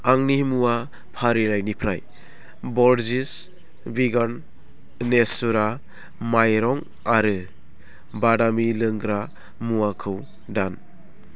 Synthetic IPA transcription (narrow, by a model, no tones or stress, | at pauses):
aŋnimuwa | pʰaɾilajnipʰɾaj | bɔɾzis | biɡan | nesuɾa | majɾɔŋ | aɾɯ | badamilɯŋɡɾa | muwakʰɯw | dan